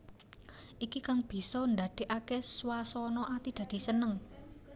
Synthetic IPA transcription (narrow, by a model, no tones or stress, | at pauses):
ʔikikaŋb̥i̤sɔnd̪a̤d̪̥e̤ʔakɛswasɔnɔʔat̪id̥ä̤d̪̥i̤sənəŋ